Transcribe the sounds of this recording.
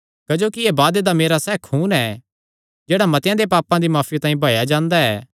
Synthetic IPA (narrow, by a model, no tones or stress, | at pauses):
kɐd͡ʒoːkiebaːd̪ed̪ameːɾasɛːkʰuːnɛː | d͡ʒeːɽamɐt̪jãd̪epaːpãd̪imaːfʰit̪ãːĩbʱaːjad͡ʒãːnd̪aɛ̰ː